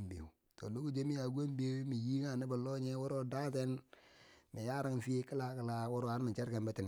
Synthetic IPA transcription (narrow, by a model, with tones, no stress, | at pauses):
mbḛ˨ | to̰˨lo˦ku˦d͡ʒe˦mi˦a˨ɡe˦mbe˦mi˨ji˦ŋa˨ni˦ba˨lo˦ɲe˦wo˦ɾo˦da˦te˦n | mi˨ja˦ɾa˦ŋ˨fi˦kə˦la˦kə˦la˦wʊ˦ɾo˦a˨˦ɾmi˨t͡ʃe˦ɾke˨mbe˦ti˨n˨